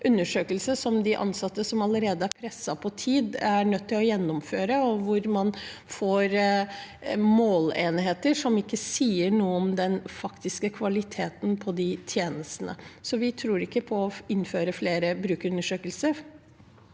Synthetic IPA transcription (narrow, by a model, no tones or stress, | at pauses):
ʔʉnːəʂøːkəlsəʂɔmd̪ɪʔɑ̰nsɑt̪ːəsɔmɑləɾeːd̪əæɾpʰɾɛsːɑpʰɔt̪ʰiːd̪æɳœt̪ːɪlɔjɛnːʊmføːɾəɔʋʊɾmɑnfoːɾ | moːleːnɦeːt̪əʂɔmɪkːəsiːəɳuːəɔmd̪ɛnfɑkt̪ɪskəkʰʋɑlɪt̪ʰeːt̪n̩pʰɔd̪ɪt̪ʰjeːnəst̪nə̰sɔʋɪt̪ʰɾuːɾɪkːəpʰɔɔɪnːføːɾəfleːɾəbɾʉːkʉnːəʂøːkəlsəɾ